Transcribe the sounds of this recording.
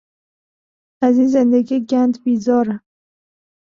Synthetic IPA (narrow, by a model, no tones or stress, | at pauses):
æziːnzend̪eɡiːɡænd̪biːzɒːɾæm